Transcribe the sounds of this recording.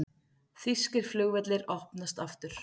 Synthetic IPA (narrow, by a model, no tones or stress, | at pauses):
θiskɪɾ̥flʏɣvɛt̪lɪɾɔhpnast̪aft̪ʏɾ̥